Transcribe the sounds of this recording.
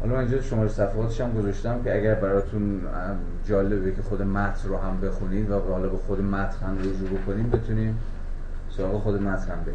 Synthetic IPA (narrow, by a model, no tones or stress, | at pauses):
hɒ̰lɒmænind͡ʒɒːt̪uʃo̞mɒːɾesæfeʁɒːt̪ʰeʃæmɡozɒʃt̪æmcʰʲeæɡæɾbæɾɒːt̪ʰun | d͡ʒɒːle̞bekʰʲexod̪emæt̪ʰnɾoɦæmbe̞xuniːd̪væbhɒːlɒːbexod̪emæt̪ʰhænɾoʒubukʰoniːmbe̞t̪ʰuniːm | soɾɒːɣexod̪emæt̪ʰnhæmbeɡi